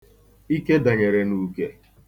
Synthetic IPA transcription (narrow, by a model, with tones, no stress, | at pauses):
i˦ke˦da˨ɲe˨ɾe˨nu˦ke˦